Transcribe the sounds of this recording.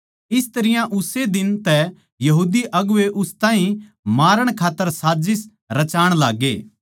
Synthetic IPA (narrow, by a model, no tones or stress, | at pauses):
ɪst̪ɐɾɪjãʔʊsed̪ɪnt̪ɛ | jɐɦuːd̪iʔɐɡʊʋeʔʊst̪ãːɦĩ | maːɾəɽ̃kʰaːt̪ːəɾsaːd͡ʒɪs | ɾɐt͡ʃaːɽ̃laːɡeː